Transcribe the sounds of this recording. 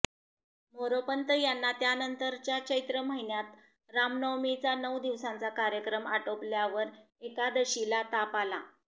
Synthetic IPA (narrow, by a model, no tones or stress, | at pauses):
moɾopənt̪əjanːat̪janənt̪əɾt͡ɕjat͡ɕəjt̪ɾəməɦinjat̪ | ɾamnəwmit͡sanəwd̪iʋsãnt͡sakaɾjəkɾəmaʈopljaʋəɾ | ekad̪əɕilat̪apala